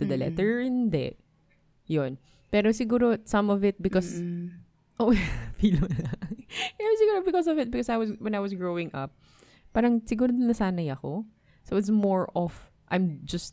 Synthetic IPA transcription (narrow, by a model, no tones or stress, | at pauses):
t̪ʊd̪ɐlɛ̰t̪ɛɹɪnd̪ɛ̰ | jon | pɛːɾosɪɡuːɾosɐ̃mɔvɪt̪̚bɪkɔs | ʔofiːlonɐɛsɪɡuːɾobɪkɔsɔvɪt̪̚bɪkɔsajwɐswɛ̃najwɐsɡɹowɪ̃ŋʔɐ̰p̚ː | aːɾɐŋsɪɡuːɾod̪ɪnɐsaːnɐjɐko | sowɪt̪smɔɹɔf | ʔɐjmd͡ʒɐst̪